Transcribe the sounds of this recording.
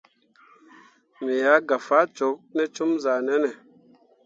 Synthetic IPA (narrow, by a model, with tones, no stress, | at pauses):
mi˨ja˨˦ɡa˨fa˦t͡ʃo˨˦p̚nɛ˦t͡ʃu˦mza˨nɛ˦nɛ˨